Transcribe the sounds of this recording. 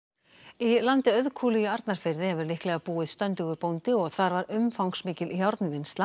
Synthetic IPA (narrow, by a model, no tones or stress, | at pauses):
ilant̪ɪœðkʰuːlijʏaɾt̪naɾ̥fɪɾðɪhɛvɪɾlɪhklɛɣapuːɪðst̪œnt̪ɪɣʏɾpownt̪ɪɔɣθaɾvaɾʏmfawŋksmɪːcɪliçjawɾt̪nɪvɪnst̪la